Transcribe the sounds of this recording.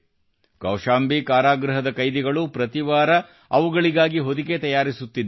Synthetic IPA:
kɐwʃaːmbikaːɾaːɡɾɐɦɐd̪ɐkɐjd̪iɡɐɭupɾɐt̪iʋaːɾɐ | ɐʋuɡɐɭiɡaːɡiɦod̪iɡet̪ɐjaːɾisut̪ːid̪

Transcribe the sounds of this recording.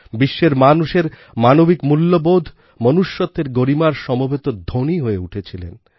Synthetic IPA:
biʃːeɾmanuʃeɾ | manobikmulːobod̪ʱ | mɔnuʃːɔt̪ːeɾɡoɾimaɾʃɔmobʱet̪od̪ʱoniɦoeuʈʰet͡ɕʰilḛn

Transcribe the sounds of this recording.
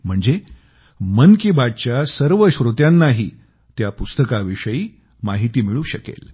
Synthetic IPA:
m̤əɳd͡ze | mənkibad̪̚t͡ɕjasəɾʋəɕɾot̪janːaɦiː | t̪japust̪əkaʋiʂəjiː | maɦit̪iːmiɭũːɕəkḛl

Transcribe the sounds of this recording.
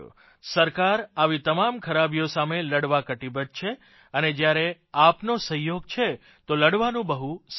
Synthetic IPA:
səɾkaɾaʋit̪əmamkʰəɾabijosameləɽʋakəʈibət̪̚t͡ʃʰe | əned͡ʒjaɾe | apnosə̃joɡ̚t͡ʃʰe | t̪oləɽʋanũbəɦus

